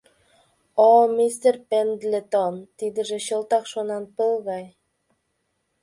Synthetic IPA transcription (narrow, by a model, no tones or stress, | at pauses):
omist̪erpend̪lʲet̪ont̪id̪ɘ̆ʒĕɕɤ̆lˠt̪ɑqʃonɑnpɤlˠɣɑj